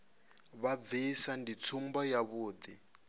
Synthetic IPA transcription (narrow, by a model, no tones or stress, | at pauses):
βaisandit͡sʰumbɔjaβuːd̪i